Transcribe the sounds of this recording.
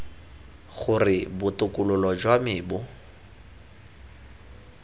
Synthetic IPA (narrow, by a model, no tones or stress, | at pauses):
ɣʊrɪbʊtʼʊkʼʊlʊlɔd͡ʒwamɪːbʊ